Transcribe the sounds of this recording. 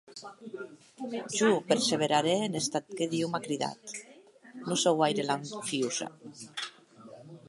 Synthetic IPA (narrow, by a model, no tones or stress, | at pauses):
ʒupeɾseβ̞eɾaɾeːnest̪at̪keðiwmakɾiða̰t̪ | nusowajɾelaɱfiuza̰